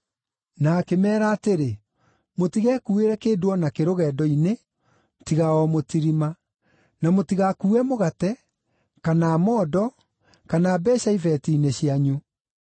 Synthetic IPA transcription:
nakemɛːɾaːteɾe | motiɣɛkueɾɛkeːdwɔnakeɾoɣɛːdɔine | tiɣaɔmotiɾima | namotiɣakuːɛmoɣatɛ | kanaːmɔːdɔ | kanaːbɛɕaivɛtiːneɕiaɲu

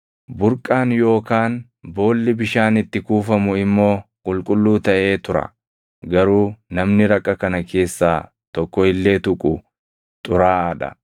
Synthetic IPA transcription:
bʊɾkʼaːnjo̞ːkaːn | bo̞ːlːɪbɪʃaːnɪt̪ːɪkuːfɐmʊɪmːo̞ːkʼʊlkʼʊlːuːt̪ɐʔe̞ːt̪ʊɾɐ̰ | ɡɐɾuːnɐmnɪɾɐkʼːɐkɐnɐkʰe̞ːsːaː | t̪ɔkːɔɪlːe̞ːt̪ʊkʼʊ | t̪ʼʊɾaːɐᶑɐ̰

